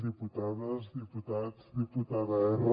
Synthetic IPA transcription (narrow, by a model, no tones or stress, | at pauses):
ðiput̪aðɐzd̪iput̪ad̪sd̪iput̪aðaeɾ